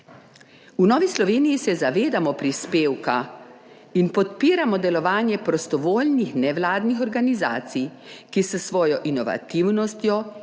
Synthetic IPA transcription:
unɔːʋislɔʋeːnijisɛzaʋeːd̪amɔpɾispeːwka | inpɔt̪piːɾamɔd̪ɛlɔʋaːnjɛpɾɔst̪ɔʋoːlnixnɛʋlaːd̪nixɔɾɡaniza̰ːt̪sijkisəsʋɔːjɔʔinɔʋa̰t̪iwnɔst̪jɔ

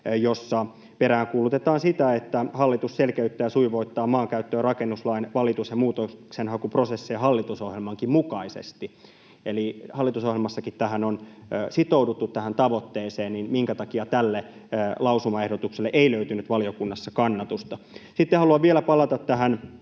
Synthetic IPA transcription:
josːɑ | peɾæːŋkuːlut̪et̪ɑːnsit̪æet̪ːæhɑlːit̪usselkeyt̪ːæːsuiʋoit̪ːɑːmɑːŋkæyt̪ːøːrɑkenːuslɑinʋɑlit̪usjɑmuːt̪oksenhɑkuprosesːeːhɑlːit̪usohjelmɑŋkimmukɑisḛst̪i | elihɑlːit̪usohjelmɑsːɑkit̪t̪æhænonːsit̪ouwdut̪ːut̪t̪æhænt̪ɑʋot̪ːeːseːnninmiŋkæt̪ɑkiɑt̪ælːe | lɑusumɑehdot̪ukselːeʔeiløyt̪ynyt̪ʋɑliokunːɑsːɑkɑnːɑt̪ust̪ɑ | sit̪ːehɑluɑʋʋielæpɑlɑt̪ɑt̪tæɦæn

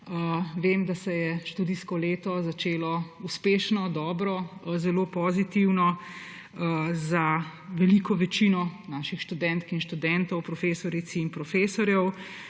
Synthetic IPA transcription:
əʋemd̪asɛjɛʃt̪uːd̪iskɔleːt̪ɔzat͡ʃeːlɔuspeːʃnɔd̪ɔːbɾɔzɛloːpɔzit̪iwnɔ | zaʋɛlikɔʋɛt͡ʃinɔnaːʃixʃt̪ud̪ɛ̃nt̪kinʃt̪ud̪ɛnt̪ɔwpɾɔfeːsɔɾit̪siːnpɾɔfeːsɔɾjɛw

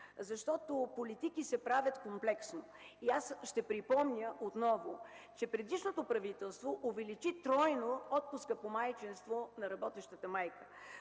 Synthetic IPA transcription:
zɐʃt̪ɔt̪opolit̪ikisɛpɾavʲət̪komplɛksno | iasʃt̪ɛpɾipɔmnʲəʔot̪nɔvʊ | t͡ʃɛpɾɛd̪iʃnot̪opɾɐvit̪ɛlˠst̪voʔovɛlit͡ʃit̪ɾɔjnoɔt̪̚pʊskəpomajt͡ʃinst̪vonɐɾɐbɔt̪ɛʃt̪ət̪əmajkə̥

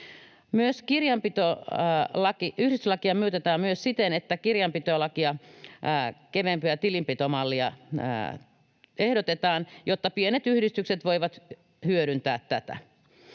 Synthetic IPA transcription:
myøskirjɑmpit̪olɑkiʔyhdist̪yslɑkiɑmyːt̪et̪ɑːmmyøssit̪enet̪ːækirjɑmpit̪olɑkiɑ | keʋempyæt̪ilimpit̪omɑlːiɑ̰ | ehdot̪et̪ɑːnjot̪ːɑpienet̪yhdist̪ykset̪ʋoiʋɑt̪ | hyøɾynt̪æːt̪tæt̪æ̰

